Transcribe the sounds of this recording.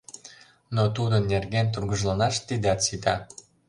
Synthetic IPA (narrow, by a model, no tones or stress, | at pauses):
not̪ud̪ənːerɣent̪urɣəʒlɑnɑʃt̪id̪ɑt̪sit̪ɑ